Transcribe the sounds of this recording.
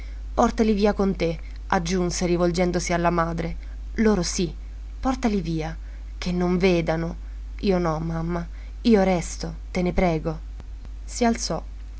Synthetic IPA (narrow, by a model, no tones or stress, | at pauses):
pɔrt̪aliviːakont̪e | ad͡ʒːunseɾivold͡ʒɛnd̪osialːamaːd̪ɾe | loːɾosi | pɔrt̪aliviːa | k̟enːoɱveːd̪ano | iːonɔmːamːa | iːoɾɛst̪o | t̪enepɾɛːɡo | sialt̪sɔ